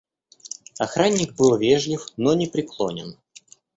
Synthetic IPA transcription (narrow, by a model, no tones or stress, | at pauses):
ɐxɾanʲːɪk̚bɨlˠvʲeʐlʲɪfnonʲɪpɾʲɪklˠo̰nʲɪ̰n